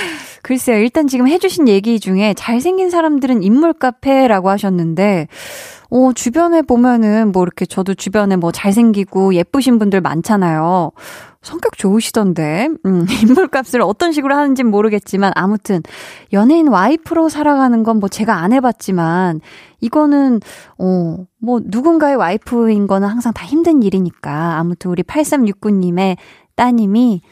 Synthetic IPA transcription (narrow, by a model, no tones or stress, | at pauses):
kɯɾes͈ejoiɭt͈ant͡ɕiɡɯmɦe̞d͡ʑuɕʰinje̞ɡid͡ʑuŋe̞t͡ɕaɭsʰe̞ŋɡinsʰaɾamdɯɾɯnimːuɭk͈apʰe̞ɾaɡohaɕʰʌnːɯnde̞ | ʌt͡ɕubjʌne̞bomjʌnɯnmwʌiɾʌkʰe̞t͡ɕʌdot͡ɕubjʌne̞mwʌt͡ɕaɭs̬ʰe̞ŋɡiɡoje̞p͈uɕ̬ʰinbundɯɭma̰nt͡ɕʰanajo | sʰʌŋk͈jʌk̚t͡ɕoɯɕʰid̥ʌnde̞ɯimːuɭk͈ap̚s͈ɯɾɯʌt͈ʌnɕʰiɡɯɾohanɯnd͡ʑimoɾɯɡe̞t̚t͡ɕ͈imanʔamutʰɯnjʌnɦeinwaipʰɯɾosʰaɾaɡanɯnɡʌnmwʌt͡ɕe̞ɡaːnɦe̞bat̚t͡ɕ͈iman | iɡʌnɯnʌmwʌnuɡunɡae̞waipʰɯinɡʌnɯnhaŋsʰaŋtaçimdɯɲiɾiɲik͈aːmutʰɯnuɾipʰaɭs͈emɲuk̚k͈uɲːime̞ | t͈aɲimi